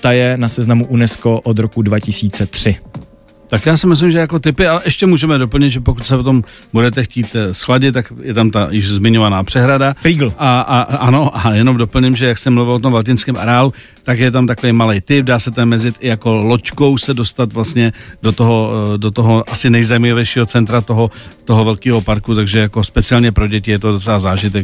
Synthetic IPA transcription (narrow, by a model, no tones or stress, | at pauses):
t̪ajɛnasɛznamuʔunɛskoʔod̪ɾokudvacɪsiːt͡sɛt̪r̝̥ɪ | t̪akjaːsɪmɪs̬lɪmʒɛjako̞t̪ɪpɪaʔɛʃcɛmuːʒɛmɛdo̞p̬l̩ɲɪt̪ʒɛpo̞kut̪sɛpot̪o̞m | budɛt̪ɛxciːt̪sxlaɟɪt̪t̪ːakjɛt̪amt̪ajɪʒzmɪɲo̞vanaːpr̝̥ɛɦɾadakɾiɡl̩aaʔano̞ʔajɛno̞mdo̞pl̩ɲɛmʒɛjaksɛmluvɪlʔot̪omvalc̬ɪnskɛːmʔa̰ɾɛaːlu | t̪akjɛt̪̬amt̪akovejmalɛjt̪ɪp̚daːsɛt̪ɛmmɛzɪt̪ɪjako̞lot͡ʃkowsɛdo̞st̪at̪vlast̪ɲɛdot̪oɦo̞dot̪oɦo̞ʔasɪnɛjzajimaavɛjʃiːɦo̞t͡sɛnt̪ɾat̪oɦot̪oɦovɛlkiːɦo̞paɾkut̪aɡʒɛjako̞spɛt͡sɪalɲɛpɾo̞ɟɛcɪjɛt̪o̞dot͡sɛlazaːʒɪt̪ɛk̚